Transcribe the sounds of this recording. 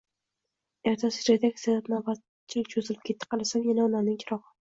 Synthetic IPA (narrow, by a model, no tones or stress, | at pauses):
eɾt̪ʰasɪɾed̪akʲsaat̪naba | t͡ʃʰɪlɪk̚ʲt͡ʃʰozɪlɪpkʰʲe̞t̪ʰːɪ̥qʰɑlˠasamjanaɒnamnɪŋʲkʲʰɪɾɒʁɨ